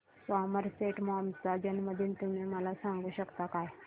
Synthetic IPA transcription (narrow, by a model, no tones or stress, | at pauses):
sɔməɾseʈmɔmsad͡ʑanməd̪ʱiːnt̪umeməlasãŋɡuːɕəkt̪akaj